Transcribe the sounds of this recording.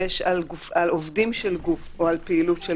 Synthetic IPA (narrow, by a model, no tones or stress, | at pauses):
eʃalɡufalovdimʃelɡufoalpeilutʃe